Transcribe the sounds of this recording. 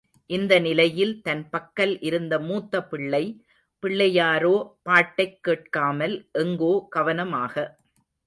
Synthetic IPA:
ʔɪnd̪ɐnɪlɐjɪlt̪ɐnpɐkːɐlʔɪɾɯnd̪ɐmuːt̪ːɐpɪɭːɐɪ | pɪɭːɐjaːɾoːpaːʈːɐɪkːeːʈ̚kaːmɐlʔɛŋɡoːɡ̥ɐʋɐnɐmaːɣɐ

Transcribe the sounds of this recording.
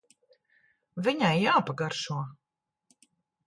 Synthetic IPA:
viɲajːaːpaɡaɾʃuɔ

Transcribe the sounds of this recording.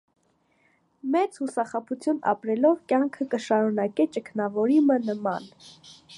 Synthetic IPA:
mɛt͡shusɑχɑpʰut͡sʰjunɑ̰pɾɛlɔvkjɑŋkʰəkəʃɑɾunɑkɛt͡ʃəkʰnɑvɔɾimənəmɑ̰n

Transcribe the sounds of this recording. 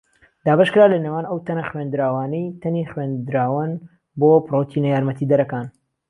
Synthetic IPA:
d̪̥aːbɐʃkɨɾaːlɐnewaːnɐwt̪ʰɐnɐxwend̪ɾaːwaːnəjt̪ʰɐniːχweːnd̪ɾaːwɐn | boːprot̪ʰinɐjaːɾmɐt̪iːd̪ɐɾɐkaːn

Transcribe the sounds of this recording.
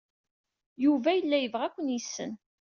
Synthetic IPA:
juvæjəlːæjəvʁækʷːənjisːə̰n

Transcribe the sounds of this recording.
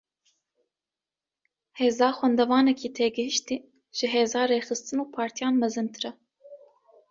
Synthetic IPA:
heːzɑːxʷwɛnd̪ɛvɑːnɛkiːt̪ʰeːɡɨɦɨʃt̪iː | ʒ̥ɨɦeːzɑːreːxɨst̪ɨnuːpʰɑːɾt̪ʰijɑːnmɛzɨnt̪ʰɨɾɛ

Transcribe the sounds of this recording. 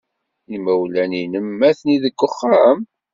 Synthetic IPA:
imæwlæninəmːæθniðəɡʷːəχːam

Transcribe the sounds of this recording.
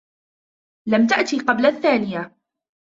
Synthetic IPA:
lamt̪aʔt̪iːqɑblaθːaːnɪja

